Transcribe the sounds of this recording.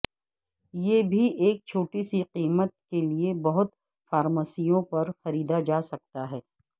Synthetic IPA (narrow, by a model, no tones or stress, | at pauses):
jeːbʱiʔeːk̚t͡ʃʰoːʈisiqiːmət̪̚keliebɐɦʊt̪ | faːɾmaːsijõpɐɾxɐɾiːd̪ad͡ʒaːsɐk̚t̪aɦɛː